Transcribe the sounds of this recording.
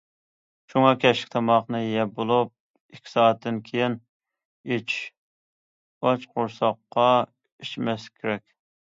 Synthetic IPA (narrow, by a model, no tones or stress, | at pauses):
ʃuŋɑkʲʰɛʃɪ̥kʲt̪ʰɑmɑχnɨjɛbolˠup̚ | ikʲʰːi̥sɑːt̪ʰːɪnkʲʰejɪn | it͡ʃ | ɑt͡ʃqʊɾsɑqːɑ | iʃmɛskʲʰeɾɛkʲ